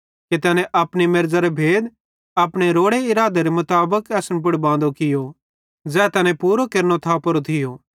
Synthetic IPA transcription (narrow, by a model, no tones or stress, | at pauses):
ket̪ɛːnɛ̃ʔɐpɽimeɾd͡zaɾebʱeːd̪ | ɐpɽ̃eɾoːɽeɪɾaːd̪eɾemʊt̪aːbəkɛːsəñp̬ʊɽbãːnd̪okɪjo | d͡zɛːt̪ɛːnɛ̃puːɾokeɾñot̪ʰapɐɾot̪ʰɪjoː